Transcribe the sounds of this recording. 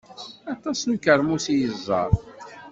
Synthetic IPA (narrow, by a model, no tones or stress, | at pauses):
ɑt̪ˤɑsnkəɾˤmusijəzˤːɑ̰ɾˤ